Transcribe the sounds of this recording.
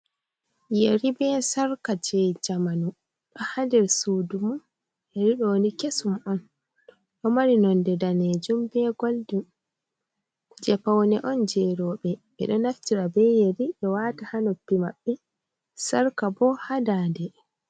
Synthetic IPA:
jeɾibɛsaɾkad͡ʒɛd͡ʒamanu | ɗɔhadɛɾsudumu | eɾiɗɔnikesumɔn | ɗɔmaɾinɔndɛdaned͡ʒumbɛɡoldum | d͡ʒɛpawnɛʔɔnd͡ʒɛɾɔːɓɛɓɛ̰ɗɔnaftiɾabɛjeɾiʔɛwatahanopːimaɓːɛ | saɾkabɔhadaːdɛ

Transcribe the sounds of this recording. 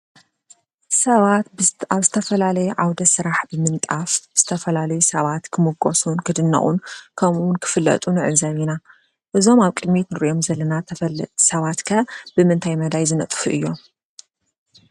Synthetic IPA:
sɐβat̪̚aβzɨt̪ʰɐfɐlalɐjɛʕawd̪ɐsɨɾaħbɨmɨnt̪ʼafz̥ɨt̪ʰɐfɐlalɐjusɐβat̪kʰɨmɨɡosunkʰɨd̪ɨnːɐ̰χʼunkʰɐmwʊnkʰɨ̥fɨlːɐ̰t̪ʼunɨʕɨzɐβina | ʔɨzo̞maβkʼɨd̪mit̪nɨɾʔiʔomzɐlːɐnasɐβat̪kʰɐb̥ɨmɨnt̪ʰajmɐd̪ajzɨnɐt̪ʼfuʔɨjːo̞m

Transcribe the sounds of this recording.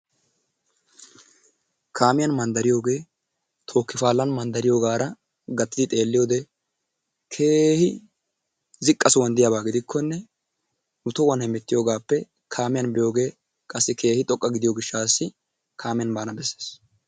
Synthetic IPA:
kʰaːmɪjɐnmɐnd̪ɐɾɪjo̞ːɡe̞ː | t̪ʰo̞ːkːɪfaːlːɐnmɐnd̪ɐɾɪjo̞ːɡaːɾɐ | ɡɐt̪ːɪd̪ɪt̪ʼe̞ːlːɪjo̞ːd̪ɛ | kʰeːhɪ | zɪkʼːɐsʊwɐnd̪ɪjabaːɡɪd̪ɪkʰːɔnːɛ | nʊt̪ɔwɐnhɛmɛt̪ːɪjo̞ːɡaːpːɛ | kʰaːmɪjɐnbɪjo̞ːɡe̞ː | kʼɐsːɪkʰe̞ːhɪt̪ʼɔkʼːɐɡɪd̪ɪjoːɡɪʃːaːsːɪ | kʰaːmɪjɐnbaːnɐbɛsːe̥ːs

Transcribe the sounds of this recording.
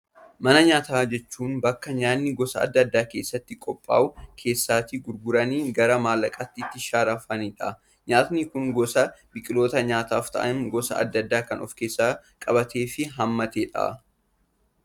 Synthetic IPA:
mɐnɐɲaːt̪aːd͡ʒɛt͡ʃːuːnbɐkːɐɲaːnːɪɡɔsɐɐ̰d̪ːɐd̪ːaːke̞ːsːɐt̪ːɪkʼɔpʼːa̰ːʊkʰe̞ːsːaːt̪iɡʊɾɡʊɾɐniːɡɐɾɐmaːlːɐkʼɐt̪ːɪt̪ːɪʃaːɾɐfɐniᶑɐ̰ | ɲaːt̪nikʊŋɡɔsɐbɪkʼɪlo̞ːt̪ɐɲaːt̪aːft̪ɐ̰ʔɐnɡɔsɐ̰ʔɐ̰d̪ːɐd̪ːaːkɐnɔ̰fke̞ːsːaːkʼɐbɐt̪eːfɪɦɐmːɐt̪eːᶑɐ̰ʔɐ̰

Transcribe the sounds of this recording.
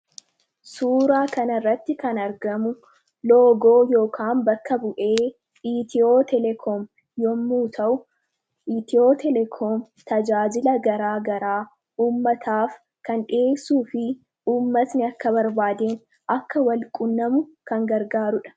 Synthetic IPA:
suːɾaːkɐnɐrːɐt̪ːɪkɐnɐɾɡɐmʊ | loːɡo̞ːjo̞ːkʰaːmbɐkːɐbʊʔe̞ː | iːt̪ɪoːt̪ɛlɛkʰɔm | jɔmːuːt̪ʰɐʔʊ | ʔit̪ɪo̞ːt̪ɛlɛkʰoːm | t̪ɐd͡ʒaːd͡ʒɪlɐɡɐɾaːɡɐɾaː | uːmːɐt̪ʰaːf | kɐnᶑeːsːuːfɪ | uːmːɐsnɪɐkːɐbɐɾbaːd̪eːn | ʔɐkːɐwɐlkʼʊnːɐmʊkɐŋɡɐɾɡaːɾʊᶑɐ̥

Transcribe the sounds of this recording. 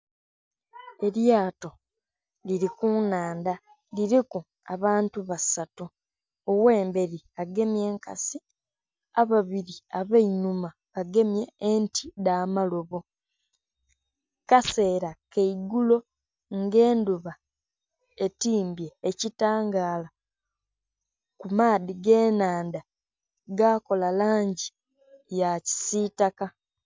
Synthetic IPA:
e̞ɾjaːto̞ | liɾikunaːnda | liɾiku | a̰βaːntuβasatu | owe̞ːmbe̞ɾi | aɡe̞mje̞ːŋka̰si | aβaβiɾiaβeinuma | βaɡe̞mje̞ːntʰidaːmalo̞βo | kase̞ːɾakeiɡulo̞ | ŋɡe̞ːnduβa | e̞tiːmbje̞ːcitaːŋɡaːla | kumaːdiɡe̞ːnaːnda | ɡako̞lalaːɲɟi | jaci̥sitaka

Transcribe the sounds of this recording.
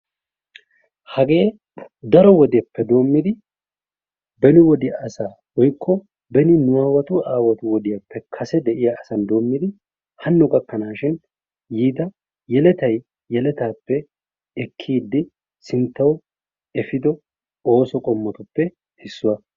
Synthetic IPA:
hɐɡe̞ː | d̪ɐɾɔwɔd̪ɛpːɛd̪o̞ːmːɪd̪ɪ | bɛnɪwɔd̪ɪjaːsaː | wɔjkʰːɔ | bɛnɪnʊaːwɐt̪ʊaːwɐt̪ʊwɔd̪ɪjɐpːɛkʰɐsɛd̪ɛʔɪjaɐsɐnd̪o̞ːmːɪd̪ɪ | hɐnːʊkʼɐkːɐnaːʃɪn | jiːd̪ɐ | jɛlɛt̪ɐj | jɛlɛt̪aːpːɛ | ɛkʰːiːd̪ːɪ | sɪnt̪ːɐw | ɛfɪd̪ɔ | o̞ːsɔkʼɔmːɔt̪ʊpːɛ | hɪsːʊwɐ

